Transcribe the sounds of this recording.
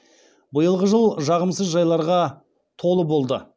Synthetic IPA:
bəjəlˠʁəʒəlˠʒɑʁəmsəzʒɑjlˠɑɾʁɑ | t̪ʰo̞lˠəbo̞lˠd̪ə

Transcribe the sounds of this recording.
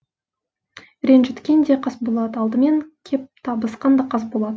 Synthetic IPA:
ɾʲenʒɪt̪kʲend̪eqʰɑsbo̞lˠɑd̪əɑlˠd̪əme̞ŋkʲʰep̚t̪ʰɑbəsqɑnd̪ɑqʰɑs̬bo̞lˠɑd̪ə

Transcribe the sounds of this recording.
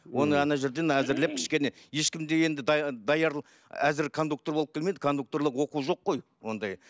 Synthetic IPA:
wo̞nəɑnɑʒe̞ɾd̪e̞næzɪɾle̞p̚kʲʰɪ̥ʃkʲe̞ne̞je̞ʃkʲɪmd̪e̞je̞nd̪ɪd̪d̪ɑjɑɾˠ | æzɪɾkʰo̞nd̪uk̚t̪obo̞lˠəpkʲelmed̪ɪkʰo̞nd̪uk̚t̪o̞ɾlˠəqwo̞quʒo̞qːo̞j | wo̞nd̪ɑj

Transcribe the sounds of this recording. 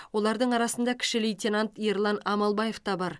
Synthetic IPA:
wo̞lˠɑɾd̪əɴɑɾɑsənd̪ɑkʲʰɪ̥ʃɪlejt̪ʲenant̪jeɾlˠɑnɑmɑlˠbɑje̞ft̪ɑbɑɾ

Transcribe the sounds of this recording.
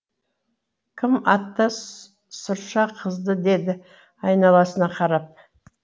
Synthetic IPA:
kʲʰɪmɑt̪ːɑ | sʊɾʃɑqʰəzd̪əd̪e̞d̪ɪ | ɑjnɑlˠɑsənɑqʰɑɾɑp̚

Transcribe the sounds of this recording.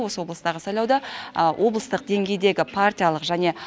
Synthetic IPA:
wo̞səwo̞blˠəst̪ɑʁəsɑjlˠɑwd̪ɑəwʔo̞blˠəst̪əq̚d̪e̞ŋɡʲe̞jd̪e̞ɡʲɪpʰart̪ʲijalˠəqʒæne̞

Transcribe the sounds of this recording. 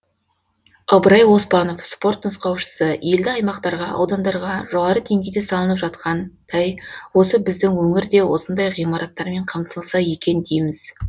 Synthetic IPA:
ɑbɾɑjwo̞spɑno̞fspo̞rt̪nəsqɑwʃə̥səje̞ld̪ɪɑjmɑqt̪ɑɾʁɑʔɑ̰wd̪ɑnd̪ɑɾʁɑʒo̞ʁɑɾəd̪ʰe̞ŋɡʲejd̪esɑlˠənəpʒɑt̪qɑnd̪̥ʰɑjwo̞səbɪzd̪ɪŋwɵŋɪɾd̪e̞wo̞sənd̪ɑjʁijmɑɾʔɑt̪ːɑɾme̞ɴqʰɑmt̪əlˠsɑje̞kʲe̞nd̪ejmɪz̥

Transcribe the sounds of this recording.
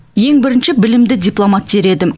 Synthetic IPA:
je̞ŋbɪɾɪnʃɪbɪlɪmd̪ɪd̪ʲijplˠomat̪̚beɾe̞d̪ɪm

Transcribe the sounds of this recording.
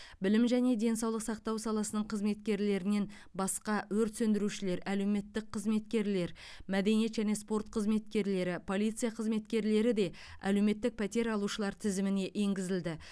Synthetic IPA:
bɪlɪmʒæne̞d̪e̞nsɑwlˠəqsɑq̚t̪ɑwsɑlˠɑsənəɴqʰəzme̞t̪kʲe̞ɾle̞ɾɪne̞n | bɑsqɑwɵɾt̪sɵnd̪ɪɾuʃɪle̞ɾælewme̞t̪ːɪk̚qʰəzme̞t̪kʲe̞ɾle̞ɾ | mæd̪e̞nije̞t̪ʒæne̞spo̞ɾt̪̚qʰəzme̞t̪̚kʲe̞ɾle̞ɾɪpʰo̞lˠijt̪sɨjaqʰəzme̞t̪kʲe̞ɾle̞ɾɪd̪e̞ | æ̰le̞wme̞t̪ːɪk̚pʰæt̪e̞ɾɑlˠuʃəlˠɑɾt̪ʰɪzɪmɪne̞ʔe̞ŋɡʲɪzɪld̪ɪ

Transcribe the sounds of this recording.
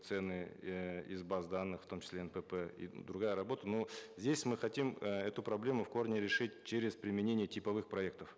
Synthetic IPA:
t̪sɛnːɨ | izbazd̪anːɨxft̪o̞mt͡ɕɪ̥slʲeɛnpəpɛḭd̪ɾʊɡajəɾɐbo̞t̪ənozʲdʲesʲmɨxɐtʲimɛt̪ʊpɾɐblʲe̞mʊfko̞rnʲɪɾʲɪʂɨt̚ʲt͡ɕeɾʲɪzpɾʲɪmʲɪnʲenʲɪjətʲɪpɐvɨxpɾɐɛk̚t̪əf

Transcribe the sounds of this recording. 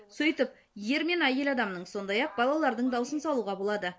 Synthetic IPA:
sɵjt̪ɪp̚ | je̞ɾme̞næje̞lɑd̪ɑmnəɴso̞nd̪ɑjɑq̚bɑlˠɑlˠɑɾd̪əɴd̪ɑwsənsɑlˠuʁɑbo̞lˠɑd̪ə

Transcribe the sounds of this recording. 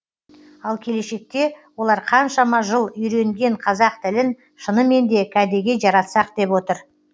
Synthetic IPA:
ɑlˠkʲʰe̞le̞ʃe̞k̚t̪e̞wo̞lˠɑɾqʰɑnʃɑmɑʒəlˠʏjɾe̞ŋɡʲe̞ɴqʰɑzɑq̚t̪ʰɪlɪn | ʃənəme̞nd̪e̞kʰʲæd̪e̞ɡʲe̞ʒɑɾɑt̪sɑq̚d̪̥e̞pwo̞t̪əɾ

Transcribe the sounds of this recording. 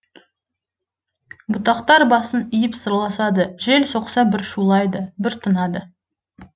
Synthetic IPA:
bʊt̪ɑqt̪ɑɾbɑsənijɪpsəɾlˠɑsɑd̪əʒelso̞qsɑbɪɾʃulˠɑjd̪əbɪɾt̪ʰənɑd̪ə

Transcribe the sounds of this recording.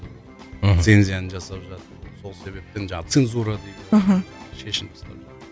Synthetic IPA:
se̞nzʲijanənʒɑsɑpʒɑt̪əɾso̞lˠse̞βe̞p̚t̪end͡ʒɑt̪senzuɾɑd̪ejd̪ɦʃe̞ʃɪmt̪ʰɑ̥st̪ɑ̰pʒɑt̪əɾ

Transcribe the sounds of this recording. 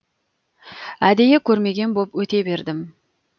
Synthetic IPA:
æd̪e̞jekʲʰɵɾme̞ɡʲe̞nbopwɵt̪e̞be̞ɾd̪ɪm

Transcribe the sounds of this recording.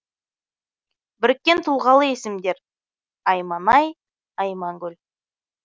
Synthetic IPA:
bɪɾɪkʲːe̞nt̪ʰulˠʁɑlˠəesɪmd̪e̞ɾ | ɑjmɑnɑj | ɑjmɑŋɡʲɵl

